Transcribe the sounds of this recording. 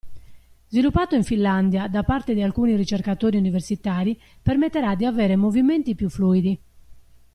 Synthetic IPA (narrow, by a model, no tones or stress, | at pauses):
zvilupːaːt̪oiɱfilːand̪jad̪apːaɾt̪ed̪ialkuːnirit͡ʃerkat̪oːɾiuniveɾsit̪aːɾi | pɛɾmet̪ːɛɾad̪ːiavɛːɾemoviment̪ipjufluːid̪i